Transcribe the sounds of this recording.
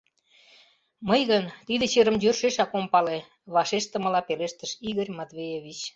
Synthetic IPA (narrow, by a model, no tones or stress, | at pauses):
mɤjɣənt̪id̪ĕt͡ɕeɾə̆mjørʃeʃɑkompɑle | βɑʃeʃt̪ə̆mə̆lɑpeleʃt̪əʃiɣərʲmɑt̪βejeβʲit͡ɕ